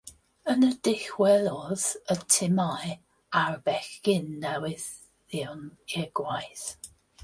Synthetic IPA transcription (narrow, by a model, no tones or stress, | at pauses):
ənədɪxwɛlˠɔð̥ətʰɪmaj | arbɛɬkɪnːɛwɪð | ɪwnɛɡ̥wajθ